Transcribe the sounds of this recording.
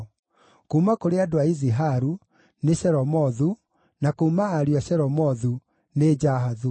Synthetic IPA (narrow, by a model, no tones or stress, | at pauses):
kuumakoɾeadoaiziɦaɾu | neɕɛɾɔmɔðu | nakoumaːɾiwaɕɛɾɔmɔðu | ned͡ʑaɦaðu